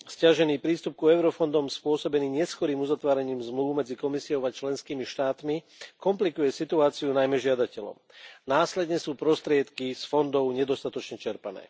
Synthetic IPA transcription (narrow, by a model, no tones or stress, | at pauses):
scaʒɛniːpɾiːst̪up̚kuɛʊɾɔfɔnd̪ɔmspʊɔsɔbɛniːɲɛskɔɾiːmuzat̪ʋaːɾɛɲiːmzmluːʋmɛd͡zikɔmisiɔʊat͡ʃlɛnskiːmiʃt̪aːt̪mi | kɔmplikujɛsit̪uaːt͡siunajmɛʒɪad̪acɛlɔ̰m | naːslɛd̪ɲɛsuːpɾɔst̪ɾɪɛt̪kisfɔnd̪ɔʊɲɛd̪ɔst̪at̪ɔt͡ʃɲɛt͡ʃɛɾpanɛ̰ː